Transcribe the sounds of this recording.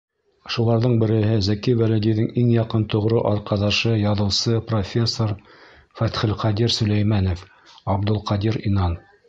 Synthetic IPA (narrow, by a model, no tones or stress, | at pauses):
ʃulˠɑɾðɤɴbɘ̆ɾɘ̆ɦɘzækiwælæd̪ijðɘŋiŋjɑqɤnt̪ŏʁɾɤʔɑɾqɑðɑʃɤjɑðɤ̆wsɤprofʲe̞sːoɾ | fæt̪χɘlqɑd̪ʲiɾsɵ̆læjmænof | ɑbd̪olˠqɑd̪iɾinɑn